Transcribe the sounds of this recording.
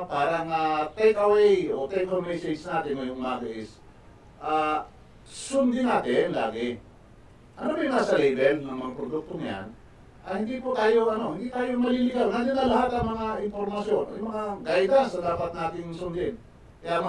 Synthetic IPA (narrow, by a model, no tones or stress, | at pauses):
paːɾɐŋat̪ɛjkɐwɛjot̪ɛkomwɛjsɛjsnaːt̪ɪnɐjʊŋmaːɡɐʔɪs | ʔaː | sʊnd̪ɪnaːt̪ɪnla̰ːɡɪ | ʔɐnobɐjŋasɐlɛbɛlnɐŋmɐŋapɾod̪uk̚t̪oŋja̰n | ʔɐ̰hɪnd̪ipot̪aːjo̞ʔɐno̞hɪnd̪it̪aːjomɐlilɪɡalnaɡ̪ɪnːɐlɐɦat̪ɐŋmɐŋaʔɪnpoɾmɐsjonʔo̰jmɐŋaɡajd̪asɐd̪aːpɐt̪̚naːt̪ɪŋsʊnd̪ɪn | kɐjam